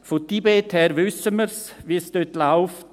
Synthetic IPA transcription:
fot̪iːbeːt̪hɛːɾʋʏsəməɾs | ʋiːəst̪øt̪laʊf

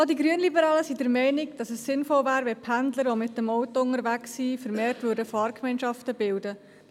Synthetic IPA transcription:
ɑldiɡɾyənlibəɾɑːləsidɛɾmɛɪnɪɡd̥ɑsəsːɪnfɔlvæːɾʋɛpʰændləɾʋomɪtːəmɔʊtɔʊŋəɾʋæksːifəɾmɛːɾtvʏːɾdəfɑːɾkmɛɪnʃɑftəbɪldə

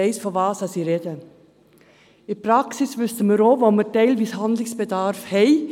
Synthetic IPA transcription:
eɪsfɔʋɑːsɑsiːɾeːdə | ipɾɑksɪsʋʏstəmiɾoːvomətæɪlviːshɑnd̪lɪŋsb̥ədɑɾfhɛɪ

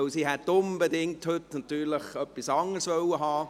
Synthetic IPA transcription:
ʊsiːhɛt̪ʊnbedɪŋthʏtnɑt̪yːɾləχœpːisɑŋəɾsʋœwəɦɑː

